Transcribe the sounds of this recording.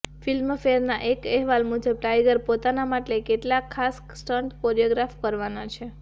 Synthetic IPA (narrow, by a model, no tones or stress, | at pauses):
filmfeɾnaʔekɛɦʋalmud͡ʒʱəb̚ʈajɡəɾpot̪anamaʈlekeʈlakʰːas | sʈəɳʈkoɾijoɡɾafkəɾʋanat͡ʃʰe